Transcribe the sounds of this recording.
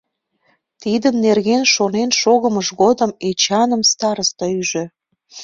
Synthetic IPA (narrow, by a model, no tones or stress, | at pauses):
t̪id̪əmnerɣenʃonenʃoɣəməʃɣod̪əmet͡ɕɑnəmst̪ɑɾəst̪ɑyʒø